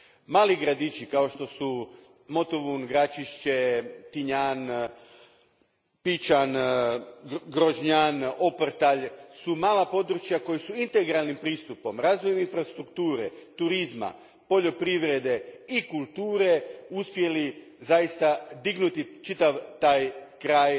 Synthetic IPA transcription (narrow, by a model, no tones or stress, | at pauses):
maːliɡɾad̪it͡ʃikao̞ʃt̪o̞su | mo̞t̪oʋunɡɾat͡ʃiʃt͡ɕe̞t̪iɲan | pit͡ʃan | ɡɾoʒɲano̞pɾt̪aʎsumaːlapo̞d̪ɾut͡ʃjako̞jisuint̪e̞ɡɾalnimpɾiːst̪upo̞mɾaːzʋojminfɾast̪ɾukt̪uːɾet̪uɾizma̰ | po̞ʎo̞pɾiʋɾe̞d̪e̞ikulˠt̪uːɾe̞uspje̞li | zajist̪ad̪iɡnut̪it͡ʃit̪aʋt̪aːjkɾaːj